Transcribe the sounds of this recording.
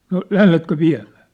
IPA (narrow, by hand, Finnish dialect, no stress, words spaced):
no læhletkø ʋiæ̝mæ̥ː